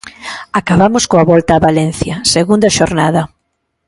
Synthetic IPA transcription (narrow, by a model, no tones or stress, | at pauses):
akaβamʊskoaβɔlt̪aːβalenθjɐseɣund̪ɐʃoɾnaðɐ